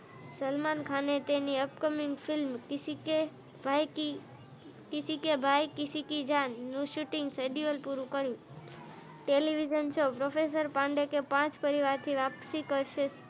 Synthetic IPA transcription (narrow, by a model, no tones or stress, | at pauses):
səlmankʰanet̪eniəpkəmiŋɡfʰilmkke | bʱaji | kisikebʱajkisikid͡ʒanːũʃuʈɪ̃ŋɡseɖiʋəlpuɾũkəɾjũ | ʈeliʋid͡ʒənt͡ʃʰopɾofes̬əɾpãɳɖekepãt͡ʃpəɾiʋaɾt̪ʰiʋapsikəɾʃes